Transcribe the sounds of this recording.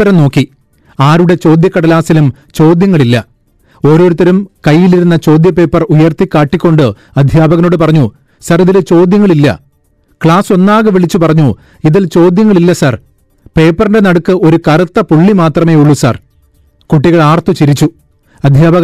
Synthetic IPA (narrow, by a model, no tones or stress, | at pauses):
ɐɾɐmno̞ːkːi | aːɾuɽe̞t͡ɕo̞ːd̪jɐkːɐɽɐlaːsilum | t͡ɕo̞ːd̪jɐŋːɐɭilːɐ | o̞ːɾo̞ːɾut̪ːɐɾumkɐjːiliɾunːɐt͡ɕo̞ːd̪jɐpe̞ːpːɐrujɐrt̪ːikʲːaːʈːikʲːo̞ɳɖɨ | ɐd̪ʱjaːbɐɣɐno̞ːɽɨp̬ɐrɐɲːu | sɐriðilt͡ɕo̞ːd̪jɐŋːɐɭilːɐ̰ | kɭaːso̞nːaːɣɨʋiɭit͡ɕːupɐrɐɲːu | iðilt͡ɕo̞ːd̪jɐŋːɐɭilːɐsɐr | pe̞ːpːɐrindenɐɽukːɨo̞ɾukɐrɐt̪ːɐpuɭːimaːt̪rɐme̞ːuɭːusɐ̰r | kuʈːiɣɐɭaːrt̪ut͡ɕiɾit͡ɕːu | ɐd̪ʱjaːbɐɣ